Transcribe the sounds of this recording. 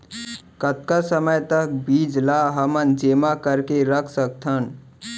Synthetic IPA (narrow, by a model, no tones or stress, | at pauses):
kət̪kasəməjt̪ək̚bid͡ʒlaɦəmənd͡ʒemakəɾkeɾəkʰsək̚t̪ʰən